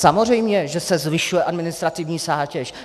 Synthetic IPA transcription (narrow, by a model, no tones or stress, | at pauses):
samorɛjmɲɛʒɛsɛzvɪʃujɛʔadmɪnɪst̪ɾat̪ɪvɲiːzaːcɛʃ